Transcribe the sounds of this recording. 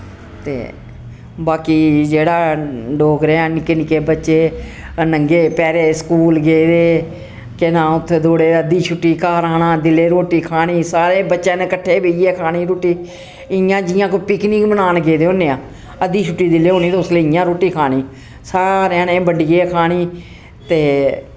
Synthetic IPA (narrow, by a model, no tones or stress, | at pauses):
t̪ḛː | baːkiːd͡ʒeːɽaːɖoːɡɾãːnɪkeːnɪkeːbətːʃeː | nəŋɡeːpɛːɾeːskuːlɡeːd̪eː | kenãːʊt̪ʰːeːd̪oːɽeːəd̪iːt͡ʃʰʊʈːiːkaːɾaːnãːd̪ɪleːɾoːʈiːkʰaːniːsaːɾeːbətːʃãːnẽːkəʈʰːeːbeiːeːkʰaːniːɾoːʈiː | ɪjãːd͡ʒɪjãːkoipɪkniːkmənaːnɡeːd̪eːoːnẽːãː | əd̪iːt͡ʃʰʊʈːiːd̪ɪleːɦoːniːt̪eʊsleːɪːjãːɾoːʈiːkʰaːñiː | saːɾeãːnẽːbəɖiːeːkʰaːniː | t̪eː